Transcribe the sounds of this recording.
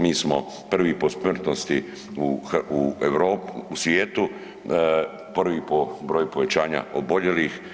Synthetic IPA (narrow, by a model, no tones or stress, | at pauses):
miːsmo̰ | pr̩ʋipo̞smr̩t̪nost̪i | uueʋɾoːpusʋjeːt̪u | pr̩ʋipobɾoːjupoʋet͡ɕaːɲa̰ʔoboʎelix